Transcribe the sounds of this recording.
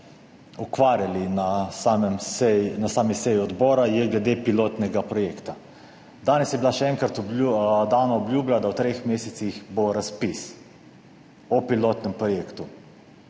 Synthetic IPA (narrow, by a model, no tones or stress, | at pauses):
ɔkʋaːɾjalinasaɛmsɛnasaːmisɛjiɔd̪bɔːɾajɛɡlɛd̪epiloːt̪nɛɡapɾɔjeːkt̪a | d̪aːnɛsjɛbilaʃɛɛŋkɾat̪d̪aːnaɔbljuːblad̪awt̪ɾexmeːsɛt̪sixboɾaspis | ɔpiloːt̪nɛmpɾɔjeːkt̪u